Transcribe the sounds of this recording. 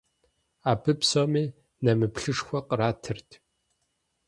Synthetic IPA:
aːbʰɨpʰsoːmiː | nɐmɨpɬɨʂxʷɐqʼəɾaːtʰɨrtʰ

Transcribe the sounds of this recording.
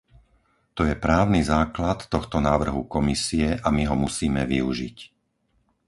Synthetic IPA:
t̪ɔjɛpɾaːʊnizaːklat̪ːɔxt̪ɔnaːʋr̩ɦukɔmisiɛʔamiɦɔmusiːmɛʋiuʒḭc

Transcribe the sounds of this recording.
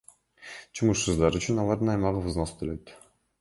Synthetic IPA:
t͡ʃʰumuʃsɯzd̪ɑɾyt͡ʃynɑlˠɑɾd̪ɯnɑjmɑʁɯvɯznost̪ʰøløt̪

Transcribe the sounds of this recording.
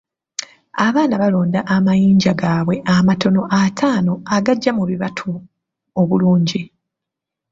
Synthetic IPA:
aβaːnaβalo̞ːndaʔamajiːɲɟaɡaːβwe̞ʔamato̞no̞ʔatʰaːno̞aɡaɟːamuβiβatʰu | oβuluːɲɟi

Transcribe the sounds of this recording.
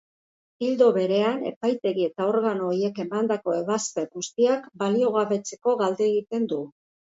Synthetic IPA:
ild̪o̞βe̞ɾe̞ane̞̰pajt̪e̞ɣie̞t̪ao̞ɾɣano̞ːje̞ke̞mand̪ako̞e̞βaspe̞ɣust̪iakbalio̞ɣ̞aβe̞t͡se̞̥ko̞ɣald̪eeɣit̪e̞nd̪u

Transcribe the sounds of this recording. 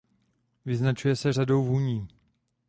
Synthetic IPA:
vɪznat͡ʃujɛsɛrado̞wɦuɲiː

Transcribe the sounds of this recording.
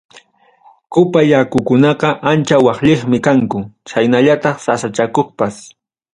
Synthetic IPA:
kʊpajakʊkʊnɑqɑʔant͡ʃawɑχʎeχmɪkaŋkʊt͡ʃajnaʎat̪ɑχsasat͡ʃakoχpas

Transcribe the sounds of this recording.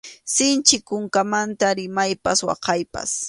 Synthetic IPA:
sɪnt͡ʃɪkʊŋkamant̪aɾɪmajpaswɑ̰qɑjpa̰s

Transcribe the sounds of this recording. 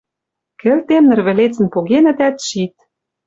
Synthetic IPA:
kɘ̆lt̪emnɘ̆rβɘ̆let͡sɘ̆npoɣenɘ̆d̪æt̪ʃit̪̚

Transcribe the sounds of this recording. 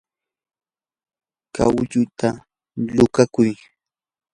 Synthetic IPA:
ka̰wʎʊt̪a | lʊkakʊj

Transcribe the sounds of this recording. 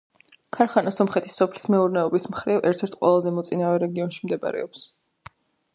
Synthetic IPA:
kʰaɾχanasɔmχɛt̪ʰi̥sɔpʰli̥smɛuɾnɛɔbismχɾivɛɾt̪ʰɛɾt̪ʰqʼwɛ̰lˠazɛmɔt̪sʼinavɛɾɛɡiɔnʃimd̪ɛba̰ɾɛ̰ɔps

